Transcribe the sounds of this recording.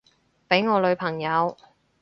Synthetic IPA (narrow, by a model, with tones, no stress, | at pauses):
pe˨˥jŋɔː˨˧lɵ˨˧ɥpʰɐ˨˩ŋjɐ˨˧w